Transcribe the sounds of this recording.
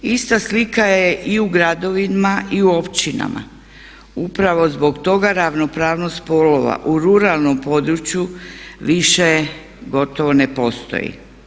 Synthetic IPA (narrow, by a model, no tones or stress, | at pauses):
ist̪aslikajeʔiuɡɾad̪o̞ʋinmaʔiuo̞pt͡ɕt͡ʃina̰ma̰ | upɾaʋo̞zbo̞ɡt̪o̞ɡaɾaʋno̞pɾaːʋnost̪̚po̞lo̞ʋa̰ʔuɾuɾalˠnompo̞d̪ɾut͡ɕjuʋiʃe | ɡo̞t̪o̞ʋo̞nepo̞st̪o̰jḭ